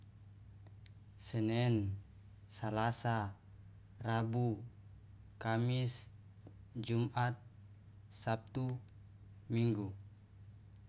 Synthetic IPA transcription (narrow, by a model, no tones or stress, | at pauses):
sənɛn | salasa | rabu | kamis | d͡ʒumat̪̚ | sap̚t̪u | miŋɡu